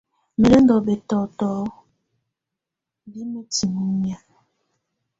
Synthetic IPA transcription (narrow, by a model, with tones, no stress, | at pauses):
me˨le˦ndɔ˨be˨tɔ˨tɔ˨˦ | bi˦me˦ti˨mu˦ɲ˦a˨